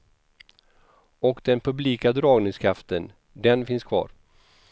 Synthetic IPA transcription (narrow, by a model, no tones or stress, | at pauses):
ɔkd̪ɛnpʰɵbliːkad̪ɾɑːɡnɪŋskʰɾaft̪ən | d̪ɛnfɪnskʰvɑ̰ːɾ